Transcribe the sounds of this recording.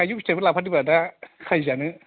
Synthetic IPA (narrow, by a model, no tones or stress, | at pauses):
ajjukistebɯlapʰadibadakʰajzanɯ